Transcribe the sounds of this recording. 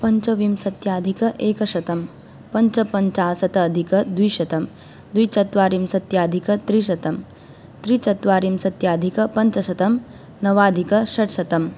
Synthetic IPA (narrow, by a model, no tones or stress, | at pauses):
pɐɲt͡ʃɐʋimsɐt̪jaːd̪ʱikɐʔeːkɐʃɐt̪ɐm | pɐɲt͡ʃɐpɐɲt͡ʃaːsɐt̪ɐːd̪ʱikɐd̪ujʃɐt̪ɐm | d̪ujt͡ʃɐt̪ʋaːɾimsɐt̪jaːd̪ʱikɐt̪ɾiːʃɐt̪ɐm | t̪ɾiːt͡ʃɐt̪ʋaːɾimsɐt̪jaːd̪ʱikɐpɐɲt͡ʃɐʃɐt̪ɐm | nɐʋaːd̪ʱikɐʃɐʈʃɐt̪ɐm